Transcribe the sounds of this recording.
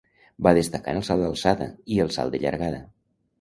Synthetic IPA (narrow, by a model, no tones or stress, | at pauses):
baðəst̪əka̰nəlˠsalˠd̪əlˠsaðə̰iəlˠsa̰lˠd̪əʎə̰ɾɣaðə